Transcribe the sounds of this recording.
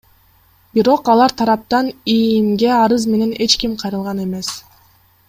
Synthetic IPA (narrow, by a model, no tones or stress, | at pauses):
biɾo̞qɑlˠɑɾt̪ʰɑɾɑp̚t̪ɑnimɡe̞ɑɾɯzme̞ne̞ne̞t͡ʃkimqʰɑjɾɯlˠʁɑne̞me̞s